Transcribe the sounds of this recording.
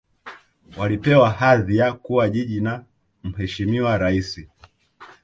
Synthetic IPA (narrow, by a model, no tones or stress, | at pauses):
walipɛwahaðijakuwaʄiʄina | m̩ɦɛʃimiwaɾaisi